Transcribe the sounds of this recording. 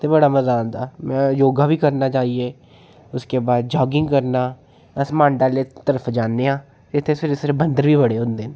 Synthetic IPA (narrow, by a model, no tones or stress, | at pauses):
t̪ʰeːbəɽaːməzaːnd̪aːmɛ̃ːjoːɡaːʋiːkəɾnaːt͡ʃaːiːeː | ʊskeːbaːd̪̚d͡ʒɔːɡɪ̃ŋɡkəɾnaː | əsmãːɳɖaːleːt̪əɾəpʰd͡ʒaːnːeːãː | t̪eɪt̪ʰːeːsɪɾsɪɾbənd̪əɾʋiːbəɽeːɦʊ̃nd̪eːn